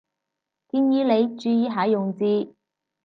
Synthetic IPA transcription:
kiː˧njiː˨˧˥le˨˧jt͡ʃyː˨˧jiː˨˧ɦaː˨˥jʊ˨ŋt͡siː˧

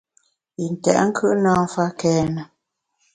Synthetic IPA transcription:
i˨n̩˨tɛ̰˨ʔŋ̩˦kʰʉ˦ʔnaː˦ŋ˦fa˦kɛː˦nə˨

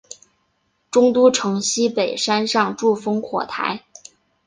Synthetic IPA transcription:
ʈ͡ʂʊ˥ŋt̪u˥ʈ͡ʂʰɤ˧˥ŋɕi˥pe˨˩ɪʂa˥nʂɑ˥˧ŋʈ͡ʂu˥˩fɤ˥ŋkʰwɔ̰˨˩t̪ʰa̰˧˥ɪ

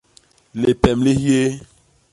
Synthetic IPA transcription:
le˨pɛ˨mli˦hi˦e˦

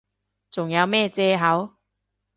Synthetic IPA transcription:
t͡sʊ˨˩ŋjɐ˨˧wmɛː˥˧t͡sɛː˧ɦɐ˨˥w

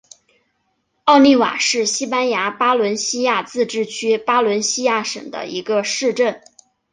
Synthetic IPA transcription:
ɑ˥˧ʊni˥˩wa̰˨˩ʂɻ̩˥˩ɕi˥pa˥nja˧˥pa˥lwə˧˥nɕi˥ja˥˧t͡sɹ̩˥˧ʈ͡ʂɻ̩˥˩t͡ɕʰy˥pa˥lwə˧˥nɕi˥ja˥˩ʂə̰˨˩ŋd̪ə̰˦i˧˥ɡə˧ʂɻ̩˥˧ʈ͡ʂə˥˩n

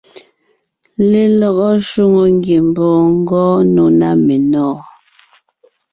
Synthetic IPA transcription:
le˦lɔ˨ɣɔ˦ʃu˦ŋo˨ŋ˦ɡje˨m˨bɔː˨ŋ̩˦ɡɔː˦no˦na˦me˨nɔː˦˨

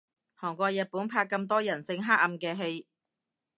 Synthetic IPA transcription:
hɔː˨˩ŋkʷɔː˧jɐ˨t̚puː˨˥npʰaː˧kːɐ˧mt̪̬ɔː˥jɐ˨˩nsɪ˧ŋɦaː˥k̚ɐ˧mkɛː˧ɦe˧j

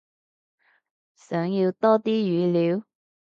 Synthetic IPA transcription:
sœː˨˥ŋji˧wt̪ɔː˥t̪iː˥jyː˨˧liː˨˥w

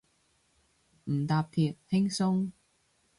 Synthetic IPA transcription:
m̩˨˩t̪aː˨p̚pʰiː˨t̚hɪ˥ŋsʊ˥ŋ

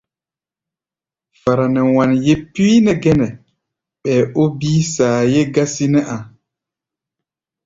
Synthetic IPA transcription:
fa˨ɾa˨nɛ˨wa˨nje˦pːiː˦nɛ˨ɡɛ˦nɛ˨ | ɓɛː˨o˦biː˦saː˨je˦ɡa˦si˦nɛ˦ʔa˨

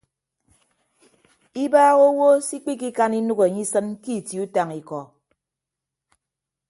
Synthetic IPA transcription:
i˦baː˦ɣo˦wo˦si˦k͡pi˦k̬i˦ka˦ni˦nu˦ɣe˨ɲi˦sɨ˦nki˦˨ti˨u˦ta˨ŋi˨kɔ˨

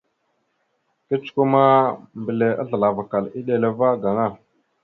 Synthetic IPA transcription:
kə˦t͡ʃku˦ma˦mbə˨le˨a̰˦ɮə˨la˨va˨ka˨li˦ɗe˨le˨va˦ɡa˨ŋa˦˨

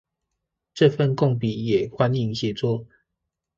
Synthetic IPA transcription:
ʈ͡ʂɤ˥˨fə˥˨nko˥˨ŋp̬i˨˦jɛ˨˩xwa˦ni˥˧˨ŋɕjɛ˨˩t͡swɔ˥˨

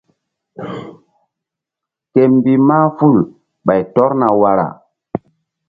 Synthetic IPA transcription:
ke˨m˦bi˨maː˦fu˦˨l | ɓa˨jtɔ˦ɾna˨wa˨ɾa̰˨

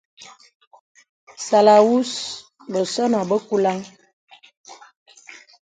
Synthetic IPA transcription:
sa˨la˨wu˦s | bə˨sɔ˦na˨bə˦ku˦la˦ŋ

